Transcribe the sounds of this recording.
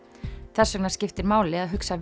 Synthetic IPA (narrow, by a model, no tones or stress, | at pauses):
θɛsːœknaɾ̥scɪft̪ɪɾmaːwlɪɣaðɦʏksa